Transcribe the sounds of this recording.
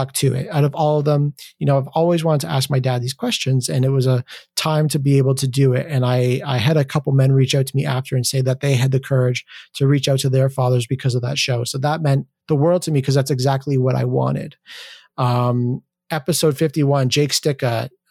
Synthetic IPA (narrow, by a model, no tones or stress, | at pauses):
k̚tʰɨɪ̰t̚aʊɾʌvɔlˠʌvðə̃mjɨñoʊaɪvɔlˠwizwɑ̃ɾəd̚tʰɨʔæsk̚maɪdæd̪̚ðiz̥kʰw̥ɛst͡ʃɨ̃nzɨ̃nɨt̚wʌzətʰãɪ̃mtʰɨbieɪbl̩ˠtʰɨdɨɪ̰ɾɨ̃naɪaɪɨɾɨkʰʌpl̩ˠmɛ̃nɹit͡ʃaʊtʰəmiʔæftə˞ɨ̃nseɪðɨt̪̚ðeɪɨd̪̚ðɨkʰɜ˞ɪd̥ʒ̥tʰɨɹit͡ʃaʊtʰɨðə˞fɑðə˞zbɨkʰʌzʌvðə̰tʃoʊsoʊðət̚mɛ̃n | ðəwɜ˞lˠd̚tʰɨmikʰʌzðætsɨɡzæk̚tˡliwʌɾʔa̰ɪwɑ̰̃ñɪ̰d̥ | ʌ̃m | ɛpɨsoʊd̥fɪftiwʌ̃nd͡ʒeɪkstɪkʌt̚